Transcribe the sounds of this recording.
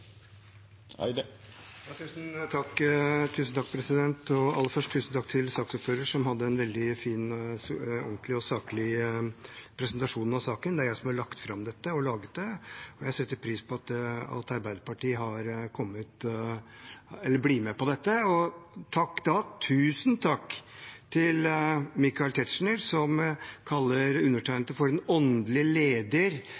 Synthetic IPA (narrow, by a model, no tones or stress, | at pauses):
jɑːt̪ʰʉːsnt̪ʰɑkːt̪ʰʉːsnt̪ʰɑkːpʰɾɛsɪd̪ɛnt̪ɔɑ̰lːəfœʂʈʰʉːsn̩t̪ʰɑkːt̪ʰɪlsɑːksɔpføːɾəʂɔmhɑd̪ːəɛnʋɛld̪ɪfiːn | ɔŋklɪɔsɑːklɪ | pʰɾɛsnt̪ɑʂuːnɑʋsɑːkənd̪ɛæɾjæɪsɔmhɑɭɑkt̪fɾɑmd̪ɛt̪ːəɔlɑːɡət̪̚d̪ɛɔjæɪsɛt̪ːəɾpʰɾiːspʰɔɑt̪ɑ̰lt̪ɑɾbæɪd̪əpɑʈiːɦɑɾkʰɔmːət̪ | ɛlːəɾbliːmɛpɔd̪ɛt̪ːəɔt̪ʰɑkːd̪ɑt̪ʰʉːsnt̪ʰɑkːt̪ʰɪlmɪkɑɪlt̪ʰɛt̪ʂɳəɾsɔmkʰɑlːəɾʉnːəʈʰæɪnlt̪əfɔɾɛnɔnd̪lɪleːd̪əɾ